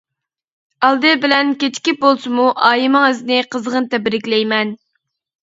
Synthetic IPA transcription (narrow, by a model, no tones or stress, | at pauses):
ɑlˠd̪ɨbɪlɛnkʲet̪ʰɪ̥kʲip̚bolˠsɨmuʔɑːjimɨŋɪzɪnɪqʰəzʁənt̪ɛbɾɪkʲlɛjmɛn